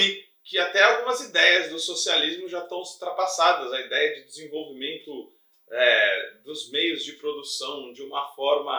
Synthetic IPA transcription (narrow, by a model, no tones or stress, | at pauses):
i | kɪat̪ɛawɡũmɐzid̪ɛjɐzd̪ʊsosializmʊʒat̪ɐ̃w̃ust̪ɾapasad̪ɐzɐid̪ɛjɐd͡ʒɪd̪ɪzẽvowvimẽnt̪ʊ | ɛd̪ʊzmejʊzd͡ʒɪpɾod̪usɐ̃w̃d͡ʒɪũmɐfɔɾmɐ